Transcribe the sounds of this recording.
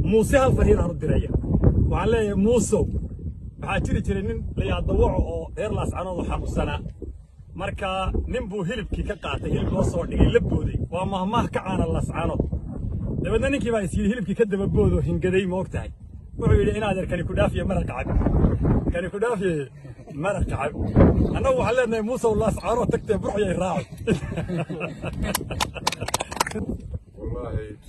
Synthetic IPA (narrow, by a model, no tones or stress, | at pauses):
muːsɛhɐlfɐɾhjɪɾaːnʊd̪ɪɾɛjɐwɑħɑlɛːjjmuːsɐ | wɑħɑːt͡ʃɪɾɪt͡ʃɪɾɛjnɪnlɐjaːd̪ɐwɑʕɔɔːɛːrlaːsʕɑːnɔːðɔħɑmʊsɐnɐ | mɐrkʰanɪmbuːɦɪlɪb̚kʰiːkʰɐqɑːt̪ʰɛjɦɪlɪblɔːsɔːɖɪɣɛjlɐbɔːðɛ̰jwɑːmɐːmɐhkʰɐʕaːɾɐlaːsʕɑ̰nɔːd̪ | d̪ɐβɛːd̪nɐnɪŋkʰiːβaːɪsjɪɽɪhɪlɪb̚kʰiːkʰɐd̪ɐβɐbɔːðɔːɦɪŋɡɐðɛjmɐɔɡt̪ʰɐhɛ̰j | wʊħuːjɪɽɪɪnaːðɛɾkʰɐnɪkʰʊɖaːfɪjɛmɐɾɐkɑʕɑ̰ɡ̚ | kʰɐnɪkʊɖaːfjɛ | mɐɾɐkɑʕɑɡʔɐnːɐɣʊwɑħɑːnlɛːd̪nɐɛmuːsɐʊlaːsʕaːnɔːt̪ʰɐɡ̚t̪ʰɛːbʊɾħjɐjraːʕ | wlːaːhɛ